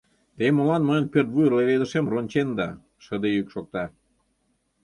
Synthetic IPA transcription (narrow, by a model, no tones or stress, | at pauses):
t̪emolɑnməjə̆npørt̪̚βujərleβed̪əʃemront͡ɕend̪ɑ̰ | ʃə̆d̪ejykʃok̚t̪ɑ